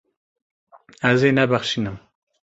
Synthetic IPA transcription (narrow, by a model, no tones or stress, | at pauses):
æzeːnæbæχʃiːnɨm